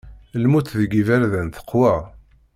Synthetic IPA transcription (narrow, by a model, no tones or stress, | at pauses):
lmuθðəɡivæɾðənθə̥qːwæ